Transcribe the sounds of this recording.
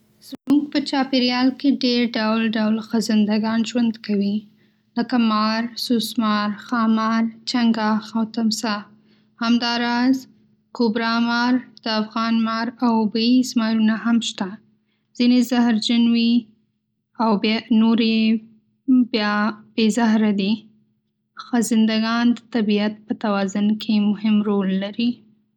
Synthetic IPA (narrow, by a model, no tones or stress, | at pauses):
z̥muɡ̚pət͡ʃɑpeɾjɑlkeɖeɾɖawlɖawlxəzɪnd̪aɡɑnʒwand̪kawi | ləkamɑɾsusmɑɾxɑmɑɾt͡ʃaŋɡɑxawt̪amsa | hamd̪ɑɾɑz | kubɾɑmɑɾd̪̥əafɣɑnmɑɾawbəismɑɾunahamʃt̪a | z̥inezahɾd͡ʒanwi | awbnoɾe | bjɑb̥ezahɾad̪i | xazɪnd̪aɡɑnd̪ət̪abiat̪̚pət̪awɑzʊnkʰemʊhɪmɾolːaɾi